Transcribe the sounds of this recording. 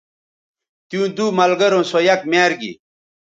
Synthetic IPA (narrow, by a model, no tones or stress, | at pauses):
t̪jũːd̪uːmɐlɡɐɾõsojɐk̚maːɾɡḭ